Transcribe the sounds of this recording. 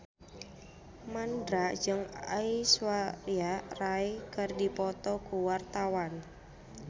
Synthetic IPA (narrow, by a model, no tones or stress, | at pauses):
mandɾaʔd͡ʒɨŋa̰iswariaraekərdipɔt̪ɔkuwart̪awan